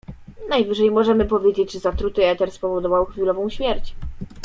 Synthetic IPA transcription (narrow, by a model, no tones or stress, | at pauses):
najvɘʐɛjmɔʐɛmɘpɔvʲjed͡ʑed͡ʑʐɘzat̪ɾut̪ɘɛt̪ɛɾspɔvɔd̪ɔvawxfʲilɔvɔ̃w̃ɕmʲjɛɾt͡ɕ